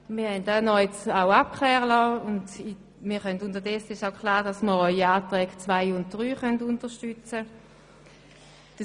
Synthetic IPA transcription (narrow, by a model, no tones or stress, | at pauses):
miːɐhɛndanɔɛt͡saʊap̚kʰχlɛːʁəlɔːʊnd | miːɐχœndʊndəʁdɛsːəɪʃaʊkʰlaːʁdasməʁɔʏiaːtʁɛːɡ̥t͡svaɪʊnt̚d̥ʁyːχœntʊntəʃtyt͡sə | d̥ə